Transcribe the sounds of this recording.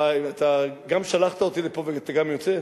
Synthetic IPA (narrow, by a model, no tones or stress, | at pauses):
aat̪aɡamʃalaχt̪ao̞t̪ilepo̞veat̪aɡamjo̞t͡se